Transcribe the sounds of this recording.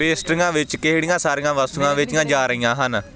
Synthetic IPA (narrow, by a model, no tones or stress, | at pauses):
peːsʈɪŋãːʋɪt͡ʃkeɦɽijãːsaːɾijãːʋəst̪ʊãːʋɪt͡ʃɪjãːd͡ʒaːɾəiːãːɦən